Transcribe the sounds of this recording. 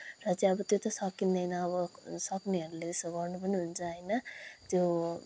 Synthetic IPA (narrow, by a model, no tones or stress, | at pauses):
rʌt͡sʌĩʌbʌt̪jot̪ʌsʌkind̪ʌjnʌːβʌsʌkneɦʌɾulet̪esʌɡʌrnupʌniɦunt͡sʰʌɦʌjnʌt̪jo